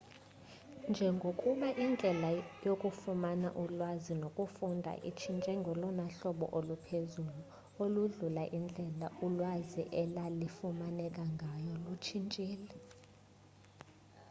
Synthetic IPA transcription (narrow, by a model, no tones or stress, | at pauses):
nd͡ʒʱɛŋɡʱokʼuɓaʔind͡ɮʱɛlajokʼufumana̰ʔulwazinokʼufundʱa̰ʔḭt͡ʃʰint͡ʃʼɛŋɡʱɔlɔnaɬɔɓɔ̰ʔolupʰezuːlu | oluɮulaʔind͡ɮʱɛlaʔulwazḭʔɛlalifumanɛkʼaŋɡʱajɔlut͡ʃʰint͡ʃʼiːlɛ